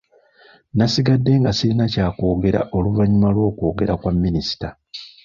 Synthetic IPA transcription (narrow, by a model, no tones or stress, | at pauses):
nasiɡadːe̞ŋɡasiɾinacaːko̞ːɡe̞ɾa̰ʔo̞luvaɲimalwo̞ːko̞ːɡe̞ɾakwamːinisi̥ta